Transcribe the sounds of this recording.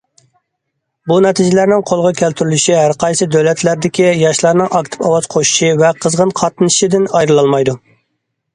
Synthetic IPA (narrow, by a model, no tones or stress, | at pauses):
bunɛt̪ʰɪd͡ʒɪlæɾnɪŋqʰolˠʁɑkʲʰælt̪ʰyɾylyʃiɦæɾqʰɑjsɨd̪øwlɛt̪ʰlæɾd̪ɪkʲijɑʃlˠɑɾnɨŋɑk̚t̪ʰɪ̥pɑwɑz̥qʰoʃi̥ʃivɛqʰəzʁənqʰɑt̪ɨnʃid̪ɪnɑjɾɨlˠɑlˠmɑjd̪u